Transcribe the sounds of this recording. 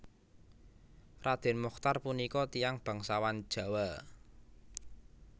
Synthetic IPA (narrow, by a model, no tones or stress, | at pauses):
rad̪̥e̤nmɔxt̪arpunikɔt̪ijaŋb̥ä̤ŋsawan̥ʒ̥a̤wa